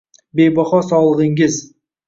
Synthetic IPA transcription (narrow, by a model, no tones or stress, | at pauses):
bejbɑχɑsɑlˠəʁeŋɡʲɪz